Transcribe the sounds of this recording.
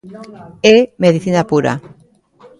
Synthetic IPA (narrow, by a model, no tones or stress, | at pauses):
emeðiθinapuɾa̰